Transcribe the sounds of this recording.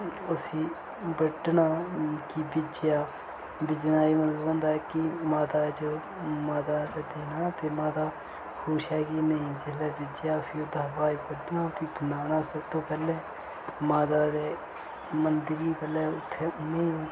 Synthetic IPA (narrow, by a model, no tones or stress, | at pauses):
ʊsiː | bəɖnaːkiːbɪd͡ʒɪjaː | bɪd͡ʒnaːiːmət̪ləbɦõːnd̪aːɛːkɪmaːt̪aːd͡ʒoː | maːt̪aːd̪eːd̪eːnaːt̪eːmaːt̪aː | kʰoːʃɦɛːkinəĩːd͡ʒɪslɛːbɪd͡ʒɪjaːpʰɪʊd̪ʱaːpaːiːbəɖnaːpiːɡənaːnaːsəbt̪õːpɛːlɛː | maːt̪aːd̪eː | mənd̪ɾiːpəlɛːʊt̪ʰːeːnẽĩː